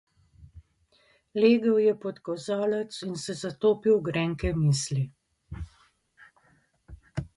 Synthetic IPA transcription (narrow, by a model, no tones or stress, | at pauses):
leːɡəwjɛpɔt̪kɔzaːlɛt̪sinsɛzat̪oːpiwɡɾɛːŋkɛmiːsli